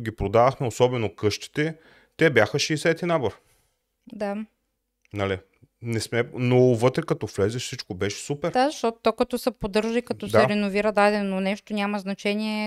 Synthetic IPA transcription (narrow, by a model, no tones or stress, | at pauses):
ɡʲipɾod̪aðɐxmɛosɔbɛnokɤʃt̪i̥t̪ɛ | t̪ɛbʲjaxəʃɛːsɛt̪inaboɾ | d̪a | nɐli | nɛsmɛnovɤt̪ɾɛkɐt̪ɔflɛzɛfsit͡ʃkobɛʃɛ̥supɛɾd̪azəʃt̪ɔt̪o̥t̪okɐt̪ɔsɛpod̪ɤɾʒəikɐt̪ɔsd̪aɛɾɛnoviɾəd̪ad̪ɛnonɛʃt̪onʲamɐznɐt͡ʃɛniɛ